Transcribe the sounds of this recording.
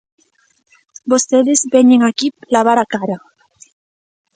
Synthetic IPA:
bost̪eðezbeɲeŋakiplaβaɾakaɾa

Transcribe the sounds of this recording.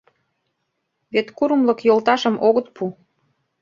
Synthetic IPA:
βet̪kuɾumlɤ̆kjolt̪ɑʃə̆mʔoɣɤ̆t̪̚pʰu

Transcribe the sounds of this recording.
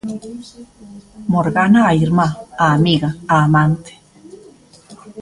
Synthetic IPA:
moɾɣanaːiɾmaaːmiɣaaːmant̪e̥

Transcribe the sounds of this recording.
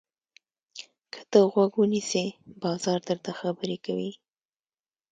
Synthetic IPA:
kʰə̥t̪əɣwaɡwunisebɑzɑɾd̪əɾt̪axabəɾekawi

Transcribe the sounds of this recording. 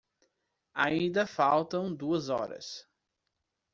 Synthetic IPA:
a̰ĩnd̪ɐfawt̪ɐ̃w̃d̪uɐzɔ̰ɾɐ̰s

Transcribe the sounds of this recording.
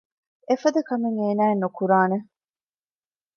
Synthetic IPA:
efɐd̪ɐkɐmeŋeːnæːenːukuɾaːne

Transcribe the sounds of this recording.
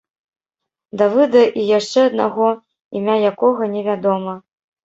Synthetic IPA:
d̪ɐvɨd̪ɐʔijaʂt͡ʂɛɐd̪na̰ɣɔ | imʲajakɔɣɐnʲɛvʲad̪ɔmɐ

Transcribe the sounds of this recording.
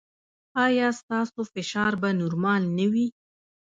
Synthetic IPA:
ɑjɑst̪ɑsofɪʃɑɾbanuɾmɑlnawi

